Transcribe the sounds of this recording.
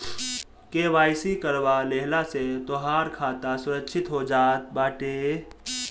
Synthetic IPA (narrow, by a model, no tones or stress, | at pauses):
keːʋaːjsikəɾʋaleɦlaset̪oɦaːɾkʰaːt̪asʊɾəkʃʰɪt̪ɦod͡ʒaːt̪̚baːʈeː